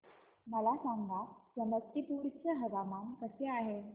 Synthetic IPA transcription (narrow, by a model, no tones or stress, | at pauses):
məlasaŋɡasəməkt̪ip̪uɽt͡ɕəɦəʋamankəseaɦe